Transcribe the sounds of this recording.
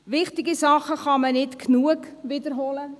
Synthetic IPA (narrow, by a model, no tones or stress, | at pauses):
ʋɪχtɪɡisɑχəχɑmənɪtknuəkʋidərɦoːlə